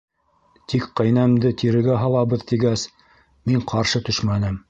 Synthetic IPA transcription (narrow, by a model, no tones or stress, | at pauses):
t̪ikqɤ̆jnæmd̪ɘt̪iɾɘ̆ɡæɦɑlˠɑβɤðt̪iɡæs | miɴqʰɑɾʃɤt̪ɵʃmænɘm